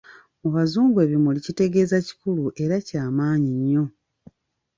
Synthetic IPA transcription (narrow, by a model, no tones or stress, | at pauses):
muβazuːŋɡwe̞ːβimulicite̞ɡe̞ːzaci̥kuluʔe̞ɾacaːmaːɲiɲːo̞